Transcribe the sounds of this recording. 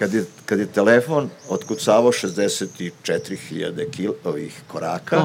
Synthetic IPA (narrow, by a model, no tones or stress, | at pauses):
kad̪jekad̪jet̪elefo̞not̪kusaːʋaoʃezd̪eset̪it͡ʃɛt̪ɾixiʎa̰d̪ekioʋḭxkoɾaːkʰa